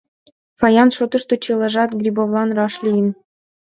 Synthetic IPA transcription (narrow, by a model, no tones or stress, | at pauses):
fɑjɑnʃot̪ə̆ʃt̪ot͡ɕelɑʒɑt̪ɡrʲibovlˠɑnrɑʃlʲijən